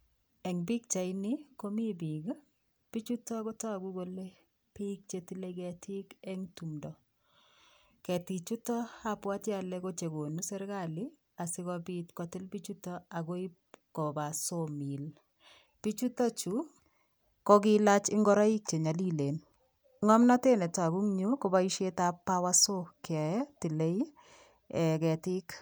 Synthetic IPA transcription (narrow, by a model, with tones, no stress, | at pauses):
ɛ˨ŋbi˦k̚t͡ʃa˨ɪni˦ko˦mi˦bi˨ɡ | pi˦t͡ʃu˦tɔ˦ko˦tɔ˦a˨ɡu˦ɡo˦le˦ | pi˦k̚t͡ʃe˦ti˦le˦ɡɛ˨tʰɪ˦kɛ˦ŋtu˨mdɔ˨ | kɛ˨ti˨t͡ʃu˦tɔ˦a˦pwa˦tja˨lɛ˦ko˦t͡ʃe˨ɡo˨nu˦sɛ˦ɾka˦lɪ˦ | a˨sɪ˦ɣɔbitkɔ˨tɪ˦lbi˦t͡ʃu˦tɔ˦a˨ɡo˦i˦ | kɔ˨ba˨somi˨l | pi˦t͡ʃu˦tɔ˦t͡ʃu˨˦ | kɔ˦ɡɪ˦la˦t͡ʃɪ˦ŋɡɔ˦ɾa˦i˦k̚t͡ʃe˨ɲa˨li˦le˨n | ŋɔ˦mna˦te˦nɛ˨ta˨bu˦ŋɲo˦ko˦ba˦i˦ʃe˦ta˦pa˦wa˦so˦kɪa˨ɛ˦tɪ˨le˦i | ɛ˨kɛ˨tɪ˦k